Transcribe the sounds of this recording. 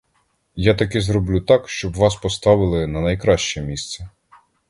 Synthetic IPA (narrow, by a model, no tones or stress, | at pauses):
jat̪ɐkɛzɾɔblʲut̪ɑkʃt͡ʃɔbʋɑspɔst̪ɑʋɪlˠɪnɐnɐjkɾɑʃt͡ʃɛmʲist̪sɛ